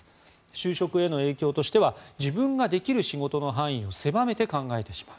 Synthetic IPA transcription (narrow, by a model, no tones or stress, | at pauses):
ɕɨːɕo̞kɯ̟e̞no̞eːkʲo̞ːt̪o̞ɕi̥t̪e̞βad͡ʑibɯ̟̃ŋɡad̪e̞kʲiɾɯ̟ɕiɡo̞t̪o̞no̞ɦãɰ̃ĩo̞se̞bame̞t̪e̞kãŋɡae̞t̪e̞ɕi̥maɯ̟